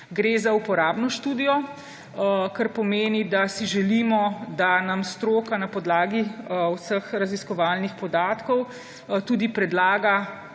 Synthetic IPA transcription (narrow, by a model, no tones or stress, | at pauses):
ɡɾezaupɔɾaːbnɔʃt̪uːd̪ijɔ | kaɾpɔmeːnid̪asiʒɛliːmɔd̪anamst̪ɾoːkanapɔd̪laːɡiusəxɾaziskɔʋaːlnixpɔd̪aːt̪kɔw | t̪uːd̪ipɾɛd̪laːɡa